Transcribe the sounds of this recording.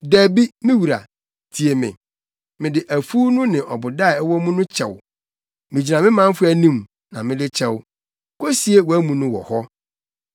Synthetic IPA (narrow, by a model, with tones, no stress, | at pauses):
dæː˨bi˦mɪ̃˦wu˨ɾa̰˨ | tʰi˨e˨mɪ̰̃˨ | mɪ̃˨dɪ˨ʔæ˨fu˦nʊ̃˦nɪ̃˨ʔɔ˨bʊ˨da˦˨˦wɔ˦mũ˦nʊ̃˦t͡ɕʰɛ̰˨w | mɪ̃˨d͡ʑi˨nã˨mɪ̃˦mã˦m̩˦fʊ˦æ˨nĩ˦m | nã˨mɪ̃˦dɪ˦t͡ɕʰɛ˦w | kʰo˦si˦e˦wɔ˨æ˦mũ˦nʊ̃˦wɔ̰˨hɔ˦